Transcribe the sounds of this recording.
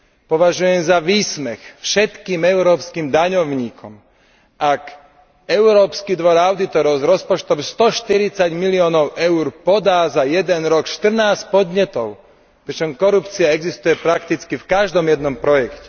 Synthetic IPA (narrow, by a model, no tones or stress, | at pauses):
pɔʋaʒujɛmzaʋiːsmɛxfʃɛt̪kiːmɛʊɾɔːpskiːmd̪aɲɔʊɲiːkʰɔm | ak | ɛʊɾɔːpskid̪ʋɔɾaʊd̪it̪ɔɾɔʊzɾɔspɔt͡ʃt̪ɔmst̪ɔʃt̪iɾit͡saɟmiliɔːnɔʊʔɛʊɾpɔd̪aːzajɛd̪ɛnɾɔkʃt̪r̩naːscpɔd̪ɲɛt̪ɔʊ | pɾit͡ʃɔmkɔɾupt͡siaɛɡzist̪ujɛpɾakt̪it͡skifkaʒd̪ɔmjɛd̪̚nɔmpɾɔjɛkcɛ̥